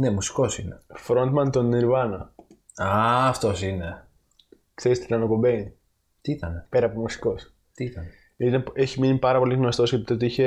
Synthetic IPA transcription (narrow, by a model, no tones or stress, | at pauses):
ne̞musi̥ko̞sinefɾo̞nt̪mɐnt̪oniɾvɐno | ɐɐft̪osine̞ | kθeɾist̪inɐnokobein | t̪iit̪ɐnepeɾɐpo̞musi̥ko̞s | t̪iit̪ɐn | ineeçiminipɐɾɐpo̞liɣnost̪osçeit̪ot̪iiçe